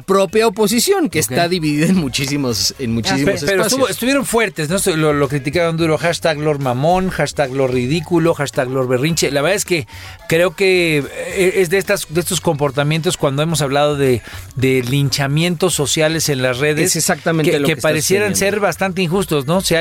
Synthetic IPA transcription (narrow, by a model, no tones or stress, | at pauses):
pɾopjaopo̞s̬isjo̞ŋkesaðiβiðiðaenmut͡ʃisimosenmut͡ʃisiesepeɾot̪uβoest̪uβjeɾo̞nfwe̞ɾt̪es̬nost̪ulolo̞kɾit̪̬ikaɾond̪uɾoxaʃt̪aɣlo̞ɾmamo̞nxaʃt̪aɣlo̞ɾrið̞ikulo̞xaʃt̪aɣlo̞ɾβe̞rint͡ʃelaβeɾðaeske̞kɾe̞o̞ke̞eezðeest̪asd̪eest̪o̞sko̞mpo̞ɾt̪amjent̪oskwand̪oemo̞s̬aβlað̞o̞ðe̞d̪e̞lint͡ʃamje̞nt̪o̞sːo̞sjale̞senlasre̞ðeesesaktt̪amẽnekeepaɾesje̞ɾanse̞ɾβast̪ant̪̬einxust̪o̞sno̞se